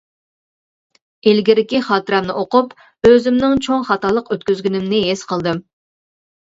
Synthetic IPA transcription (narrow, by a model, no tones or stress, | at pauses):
elɡʲiɾɪkʲiχɑːt̪ɨɾɛmnɪʔoqʊp | øzɪmnɪŋt͡ʃʰoŋχɑt̪ɑːlˠəqøt̪kʲyzɡʲynɪmnɪɦesqʰəlˠd̪ɨm